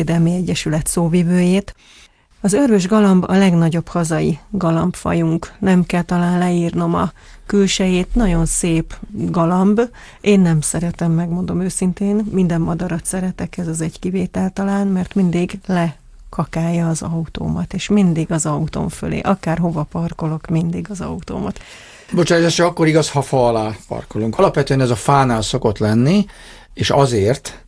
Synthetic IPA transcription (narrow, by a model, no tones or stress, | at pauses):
d̪ɛlmiɛɟːɛʃylɛt̪soːvivøːjeːt̪ | ɒzørvøʒɡɒlɒmbɒlɛɡnɒɟo̞phɒzɒjiɡɒlɒmbfɒ̰juŋknɛmkɛlt̪ɒlaːnlɛiːrno̞mɒ̰ | kylʃɛjeːt̪nɒɟo̞nseːpɡɒlɒmb | ʔeːnːɛmsɛɾɛt̪ɛmːɛɡmo̞nd̪o̞møːsint̪eːnmind̪ɛmːɒd̪ɒɾɒt̪sɛɾɛt̪ɛkɛzɒzɛɟkiveːt̪ɛlt̪ɒlaːnmɛrt̪mind̪iɡlɛ | kʰɒkaːjɒːzɒut̪o̰ːmɒt̪eːʃmind̪iɡɒzɒut̪o̞̰ɱfø̰lḛːʔɒkaːrɦo̞vɒpɒrko̞lo̞kmind̪iɡɒzɒ̰ut̪o̰ːmɒt̪ | bo̞t͡ʃaːjzaːʃt͡ʃɛɒkːo̞ɾiɡɒshɒfɒlaːpɒ̰rko̞luŋkɒlɒpʋɛt̪øɛnɛzɒfaːnaːlso̞ko̞t̪lɛnːi | eːʃɒzeːrt̪